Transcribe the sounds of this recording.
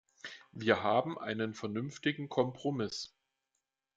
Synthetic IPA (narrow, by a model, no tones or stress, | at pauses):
viːɐɦaːbm̩ʔa̰ɪnənfɛɐnʏnftɪɡŋ̩kʰɔmpʁ̥omɪs